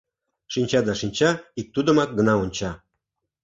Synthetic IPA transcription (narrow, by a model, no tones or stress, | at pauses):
ʃinʲt͡ɕɑd̪ɑʃinʲt͡ɕɑik̚t̪ud̪ə̆mɑk̪̚ɡə̆nɑonʲt͡ɕɑ